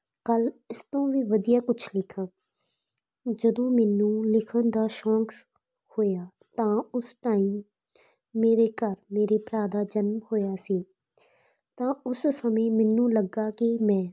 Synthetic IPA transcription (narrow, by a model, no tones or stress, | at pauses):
kəlɪst̪õːʋiːʋəd̪ijaːkʊt͡ʃʰlɪkʰːãː | d͡ʒəd̪õːmɛnːũːlɪkʰənd̪aːʃɔ̃ːŋks | hoːjaː | t̪ãːʊsʈaːiːmː | eːɾeːkəɾmeːɾeːpɾaːd̪aːd͡ʒənmhoːjaːsiː | t̪ãːʊssəmĩːmɛnːũːləɡaːkɪmɛ̃ː